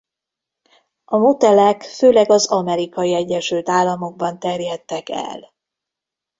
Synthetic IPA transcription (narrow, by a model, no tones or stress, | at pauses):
ʔɒmot̪ɛlɛkføːlɛɡɒzɒmɛɾikɒiɛɟːɛʃylt̪aːlːɒmo̞ɡ̚bɒnt̪ɛrjɛt̪ːɛkɛ̰l